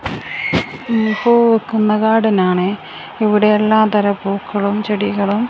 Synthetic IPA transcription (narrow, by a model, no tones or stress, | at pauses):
poːkːunːɐkaːɽinaːɳɨ | iʋiɽeːlːaːt̪ɐɾɐpuːkʰːɐɭumt͡ɕeɽiɣɐɭum